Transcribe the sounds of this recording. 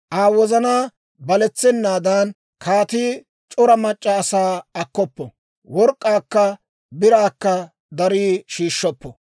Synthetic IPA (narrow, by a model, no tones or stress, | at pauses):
ʔaːwɔzɐnaː | bɐlɛt͡sːɛnːaːd̪ɐn | kʰaːt̪iː | t͡ʃʼɔɾɐmɐt͡ʃʼːɐːsaːɐkːɔpːɔ̰ | wɔɾkʼːaːkːɐ | bɪɾaːkːɐ | d̪ɐɾiːʃiːʃːɔpːɔ